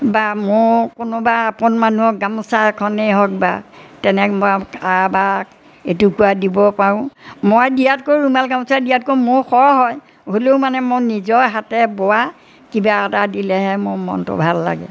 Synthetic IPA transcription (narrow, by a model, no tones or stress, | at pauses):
bamʊɹkʊnʊbaːpɔnmanuɦɔk̚ɡamsakʰɔneɦɔk̚ba̰tɛnɛmɔkabak | etukuadibɔpaɹʊ̃mojdijatkoɹumalɡamsadijat̚komʊɹxɔɹɦɔj | ɦoloʊmanɛmonizɔɹɦatɛbɔwa | kibaːtadilɛɦɛmʊɹmɔ̰ntʊ̰bʱalːa̰ɡɛ̰